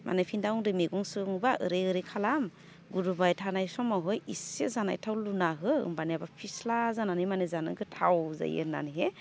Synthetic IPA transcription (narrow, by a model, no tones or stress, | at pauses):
mʔa̰nepʰindawɔŋdɯmeɡɔŋsɯŋbaɯ̰ɾeɯɾekʰalam | ɡuɾubajtʰanajsɔmawɦɯjisezana̰jtʰawlunaɦɯɯ̰mbaniabapʰislazananimanezanɯ̰ɡɯtʰawza̰jɯ̰na̰nɦe